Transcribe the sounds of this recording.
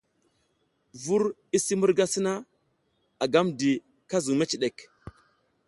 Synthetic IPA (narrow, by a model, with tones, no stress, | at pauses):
vu˦ɾ | i˦si˦mu˦ɾɡa˦si˦na˦ | a˨ɡa˦mdi˨ | ka˦zu˨me˦t͡ʃi˨ɗe˨k